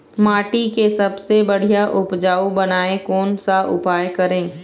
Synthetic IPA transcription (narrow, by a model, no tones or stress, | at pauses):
maːʈikesɐbsebɐɽ̤ijaʔʊpd͡ʒaːubɐnaːekɔːnsaʔʊpaːjkɐɾẽː